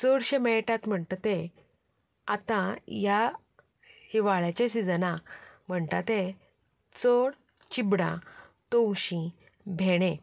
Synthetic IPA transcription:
t͡sɔɽɕemɛʈat̪m̤əɳt̪at̪e | at̪ãja | hiʋaɭat͡ɕes̬id͡zənam̤əɳt̪at̪e | t͡sɔɽ | t͡ɕibɽã̰t̪owɕĩ | bʱeɽ̃ẽ

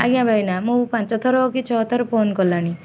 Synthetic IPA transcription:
a̰ɡjãbʱajnamupãnt͡sɔt̪ʰɔɾɔkit͡ʃʰɔt̪ʰɔɾɔpʰonkɔlːani

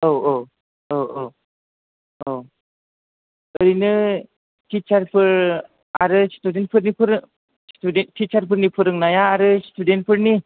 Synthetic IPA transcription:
owo | owo | o | ɯɾinɯ | tʰit͡ʃaɾpʰɯɾ | aɾɯstudenpʰɯɾnipʰɯɾɯ | studentʰit͡ʃaɾpʰɯɾnipʰɯɾɯŋnajaːɾɯstʰuden̚pʰɯɾni

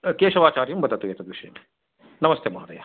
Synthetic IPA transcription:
keːʃɐʋaːt͡ʃaːɾijumbɐt̪ɐt̪ujet̪ɐd̪ʋiʃḛme | nɐmɐst̪emaːɾɐjaː

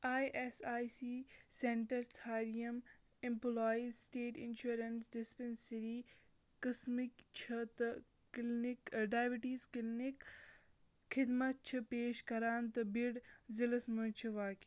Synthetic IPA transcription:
aːjʔesaːjsiːseɳʈɐɾsʰaːɾijɐm | ɪ̃mploːizsʈeːʈɪ̰nʃuːɾɐnsɖɪspensɐɾiː | kɐsmikt͡ʃʰɐt̪ɐ | klnikɖaːjbiʈiːzklnik | xʰɪd̪mɐt̪̚t͡ʃʰɐpeːʃkɐɾaːnt̪ɐbiɽzɪlɐsmunt͡ʃʰiʋaːki

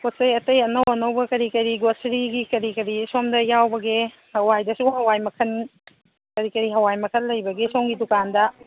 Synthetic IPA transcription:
kosɐjɐtɐjɐnɐwɐnɐwbɐkɐɾikɐɾiɡosɾiɡikɐɾikɐɾisomdɐjawbɐɡe | hɐwajdɐsuɦɐwajmɐkʰɐn | kɐɾikɐɾiɦɐwajmɐkʰɐnlːɐjbɐɡesowŋɡidukandɐ

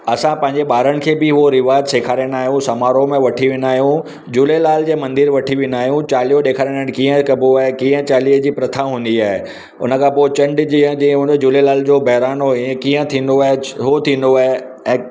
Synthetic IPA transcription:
ɐsãpɐ̃ɦɪ̃ɲ̆d͡ʑeɓaːɾəɽ̃̆kʰeːbɪɦuoɾɪʋaːd̪seːkʰaːɾiəñaːɦijũsɐmaːɾomẽʋɐʈʰiʋɪ̃naːɦjũ | d͡ʑuːlelaːld͡ʑeːmɐ̃nd̪ɪɾʋɐʈʰiʋɪ̃naːɦijũt͡ɕaːlijoɗeːkʰaːɾənəɽ̃kĩːə̃kɐboaːɦekĩːə̃t͡ɕaːliəd͡ʑiːpɾɐt̪ʰaɦũːn̆d̪iaːɦe | ʊ̰nə̆kʰãːpoːɪt͡ɕɐ̃ɳɖd͡ʑiːə̃d͡ʑĩːɦũːnd̪od͡ʑuːlelaːld͡ʑoːbɐɦɾaːnoĩkĩːə̃t̪ʰĩːn̆d̪oaɦeɦot̪ʰĩːnd̪oaːɦe | ɛ̃ː

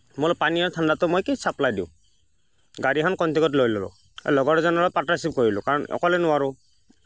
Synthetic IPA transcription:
mʊlpaniɔɹtʰandatʊmojkejsʰaplajdiʊ̰̃ | ɡaɾiɦʰankɔntʰikɔt̬lojlɔbɔ̰ | ɛ̰lɔɡɔɾɛzɔnɔlɔjpatːasip̚koɹilʊ̰kaɹɔnɔ̰kɔlɛnʊwaɹʊ

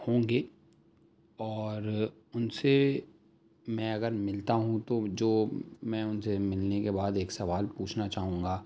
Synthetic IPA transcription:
hõːŋɡeː | ɔːɾ | ʊnse | mɛ̃ɐɡəɾmɪlt̪aɦũt̪od͡ʒoːmɛ̃ːʊnsemɪlnekebaːd̪eːksɐʋaːlpuːt͡ʃʰnat͡ʃaːɦũːŋɡaː

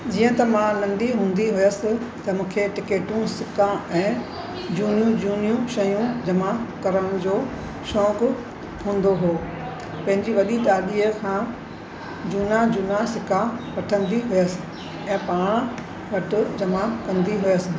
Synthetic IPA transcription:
d͡ʑiːə̃t̪ɐmãnɐ̃nd̪iɦũːn̆d̪iɦʊjəsɪ̆t̪ɐmũːkʰeʈɪkeːʈũsɪkãɛ̃ː | d͡ʑuːnijũd͡ʑuːnijũʃɐjũd͡ʑɐmakɐɾəɽ̃d͡ʑoː | ʃɔːkʊ | ɦũːnd̪oɦoː | pɐ̃ɦɪ̃ɲd͡ʑiʋɐɗit̪aːɗiːəkʰãː | d͡ʑuːnad͡ʑuːnasɪkapɐʈʰə̃nd̪iɦʊjəsɪ̥̆ | ɛ̃ːpaːɽ̃ | ʋɐʈʊd͡ʑɐmakɐ̃nd̪iɦʊjəsɪ̆

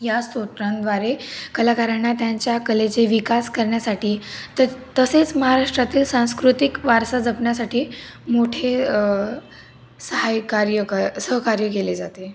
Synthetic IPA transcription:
jasoʈɾãnd̪ʋaɾekəlakaɾaɳːat̪jaɲt͡ɕjakəlet͡seʋikaskəɾɳjasaʈiːt̪ət̪əset͡sməɦaɾaʂʈɾat̪iːlsãw̃skɾut̪ikʋaɾsad͡zəpɳjasaʈʰiːmoʈʰe | səɦajkaɾjəkasəɦkaɾjəkeled͡zat̪e

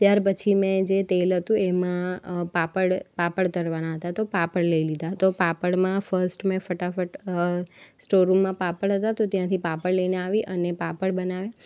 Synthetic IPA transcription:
t̪jaɾpət͡ʃʰimɛ̃d͡ʒet̪elɦət̪ũemãpapəɽpapəɽt̪əɾʋanaɦət̪at̪opapəɽləilid̪at̪opapəɽmãfəɾsʈmɛ̃fəʈafəʈ | sʈoɾumːãpapəɽɦət̪at̪ot̪jãt̪ʰipapəɽləineaʋiʔənepapəɽbənaʋjã

